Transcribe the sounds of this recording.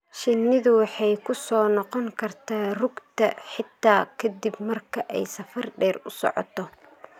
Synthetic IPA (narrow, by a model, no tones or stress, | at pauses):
ʃɪnːɪðʊwɑħɑjkʰʊsɔːnɔqɔŋkʰɐrt̪ʰaːrʊɡt̪ʰɐħɪt̪ʰːaːkʰɐd̪ibmɐrkʰɐʔɛjsɐfɐrɖɛːrʊsɔ̰ʕɔ̰t̪ʰɔ